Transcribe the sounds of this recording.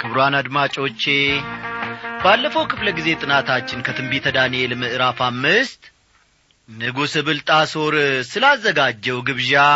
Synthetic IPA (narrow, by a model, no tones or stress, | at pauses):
kʰɨβɾanad̪mat͡ʃʼo̞t͡ʃːe̞ | b̥alːəfəwkʰɨfləɡize̞t̪ʼɨnat̪ʰat͡ʃːɪnkʰət̪ʰɨmbit̪ʰəd̪anielmɨʔɨɾafamːɨst̪ʼ | nɨɡusɨβɨlt̪ʼaso̞ɾsɨlazːəɡad͡ʒːɛwɡɨβʒa